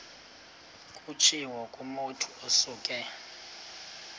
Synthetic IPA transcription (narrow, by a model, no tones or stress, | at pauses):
kʼut͡ʃʰiwɔkʼumotʰuosuːkʼɛ